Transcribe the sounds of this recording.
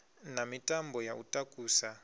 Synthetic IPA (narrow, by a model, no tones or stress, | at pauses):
namitʼambʱɔjaʔutʼakʼuːsa